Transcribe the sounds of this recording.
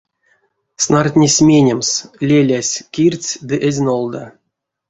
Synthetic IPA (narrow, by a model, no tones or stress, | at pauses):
snart̪ʲnʲesʲmʲenʲemslʲelʲæsʲkʲirʲt͡sʲd̪ɨʔezʲnolˠd̪a